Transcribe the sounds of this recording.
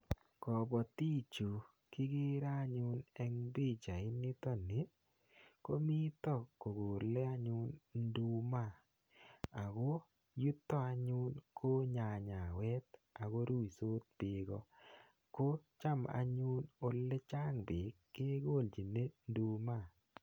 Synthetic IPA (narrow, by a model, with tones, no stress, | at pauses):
kɔ˨bɔ˨ti˦t͡ʃo˨ | kɪ˦ɡe˦ɾa˦ɲʊ˦nɛ˦ŋbi˦t͡ʃa˨ɪ˦nɪ˦tɔ˦˨ne˨˦ | ko˦mi˦t̪ɔ˦˨ko˨ɡoː˨lːe˦a˦ɲʊ˦nndu˦ma˦˨ | a˨ɡo˦ | ju˦tːɔ˦a˧ɲʊ˦nkʰo˦ɲa˨ɲa˨wɛ˦t̪a˨ɡo˦ɾu˦i˨so˦t̪̚b̥ɪ˨ɡɔ˦ | ko˦t͡ʃa˦ma̰˦ɲʊ˦no˦lːe˦t͡ʃa˦ŋbɪ˨kːe˦ɡo˦˨ld͡ʒi˨ne˦ndu˨ma˦˨